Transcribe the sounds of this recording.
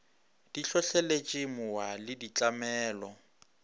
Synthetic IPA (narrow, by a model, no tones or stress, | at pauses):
d̥iɬɔɬɛlet͡ʃʼɪmʊwalɪdit͡ɬʼamɛːlɔ